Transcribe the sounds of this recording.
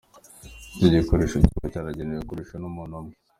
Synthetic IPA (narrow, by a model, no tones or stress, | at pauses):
teɟekoɾeʃoacaɾaɟenejekoɾeʃonumunome